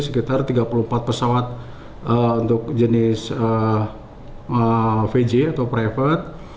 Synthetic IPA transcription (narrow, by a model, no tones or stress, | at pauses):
səkit̪art̪iɡapuluhmpat̪̚pəsawat̪̚ | əunt̪ʊk̚d͡ʒənɪsə | əfed͡ʒiat̪awpɾafət̪̚